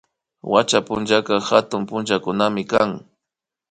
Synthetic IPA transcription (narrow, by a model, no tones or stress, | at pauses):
wa̰t͡ʃapʊnt͡ʃakɑhat̪ʊmpʊnt͡ʃakʊnamɪkaŋ